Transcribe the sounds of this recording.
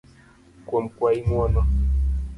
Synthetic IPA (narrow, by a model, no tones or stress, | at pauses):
kwɔm̩kwaimwɔnɔ